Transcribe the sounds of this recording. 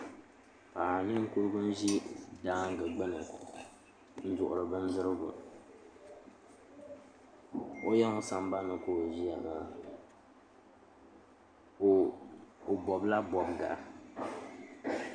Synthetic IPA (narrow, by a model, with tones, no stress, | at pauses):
paː˨nɨ˦ŋ̩˦ku˦ɾɨ˦ɡʊ˦n̩˦ʒi˦daː˦ŋ˦ɡɨ˨ɡ͡bɨ˦nɨ˨ | n̩˦d͡ʒʊ˨ʔʊ˨ɾɨ˨bɨ˦n˦zɨ˦ɾɨ˦bʊ̰˨ | o˦jɛ˦ŋʊ˦sa˨m˦ba˦nɨ˨ko˨ʒi˦a˨na˨ | o˨bɔ˨bla˦bɔ˨bɡa̰˨ʔa˦